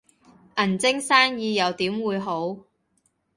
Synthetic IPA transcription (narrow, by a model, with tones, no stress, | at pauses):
ʔɐ˨˩nt͡sɪ˥ŋsaː˥njiː˨˧jɐ˨˧wt̪iː˨˥mwuː˨˧jɦo˨˥w